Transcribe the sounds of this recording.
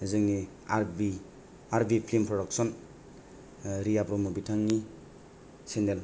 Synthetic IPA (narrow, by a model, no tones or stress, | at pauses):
zɯŋni | aɾbi | aɾbipʰlimpʰɾɔdɔk̚sɔn | ɾijapɾɔmɔbitʰaŋni | sendel